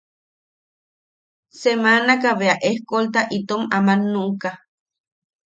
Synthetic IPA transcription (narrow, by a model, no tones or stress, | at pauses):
semanakaβeaʔehkolt̪aʔit̪omamanuka